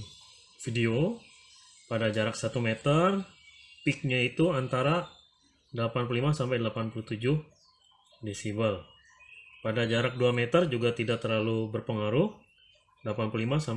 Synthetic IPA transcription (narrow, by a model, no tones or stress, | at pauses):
fideo | padad͡ʒaɾaksat̪umet̪ərpɪk̚ɲait̪uant̪aɾa | dəlapanpululimasampajdəlapanpuluht̪ud͡ʒʊh | disibal | padad͡ʒaɾak̚duamɛt̪ərd͡ʒuɡat̪idak̚t̪ərlalubərpəŋaɾʊh | dəlapanpululimasa